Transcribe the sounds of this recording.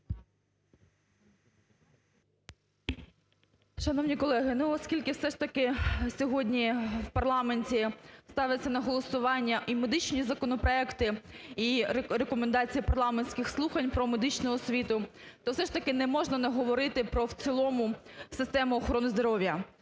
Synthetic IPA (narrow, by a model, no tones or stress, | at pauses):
ʃɐnɔwnʲikɔlˠɛɦɪnuɔskʲilʲkɪwsɛʂt̪ɐkɪsʲɔɦɔdʲnʲiwpɐrlˠɑmenʲtʲist̪ɑʋjɪt͡sʲːɐnɐɦɔlˠɔsʊʋɑnʲːɐʔimed̪ɪt͡ʃnʲizɐkɔnɔpɾɔɛkt̪ɪiɾɾekɔmend̪ɑt͡sʲijipɐrlˠɑmenʲsʲkɪxslˠuxɐnʲpɾɔmed̪ɪt͡ʃnʊɔsʲʋʲit̪ʊ | t̪ɔwsɛʃt̪ɐkɪnɛmɔʒnɐnɐɦɔʋɔɾɪt̪ɪpɾɔwt͡sʲilˠɔmʊsɪst̪ɛmʊɔxɔɾɔnɪzd̪ɔɾɔʋʲjɐ